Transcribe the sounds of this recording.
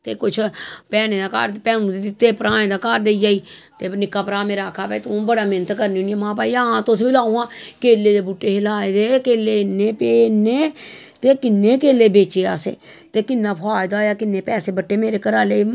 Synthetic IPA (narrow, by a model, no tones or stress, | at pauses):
t̪eːkʊt͡ʃʰpɛːnẽːd̪aːka̰ːɾpɛːnũd̪iit̪eːpəɾãːẽːd̪aːkaːɾd̪eːid͡ʒaːiːt̪eːnɪkaːpəɾaːmeːɾaːkʰaːpɛ̰t̪ːbəɽaːmɪnət̪kəɾniuniãmãːpaːiaãːt̪osbilaːũãːkeːlːeːd̪eːbuːʈːeːɦɪlaːed̪eːkeːlːeːnːeːpeːnːeː | t̪eːkɪnːeːkeːleːbeːt͡ʃeːa̰ːsḛː | t̪eːkɪnːaːpʰaːjd̪aːjaːkɪnːeːpɛːseːbəʈːeːmeːɾeːkəɾaːleː